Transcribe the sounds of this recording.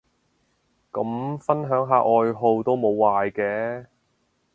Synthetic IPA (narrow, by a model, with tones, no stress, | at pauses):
kɐ˨˥mfɐ˥nɦœː˨˥ŋɦaː˨˧ʔɔː˨˧jɦo˧wt̪o˥wmo˨˧wːaː˨˧jkɛː˧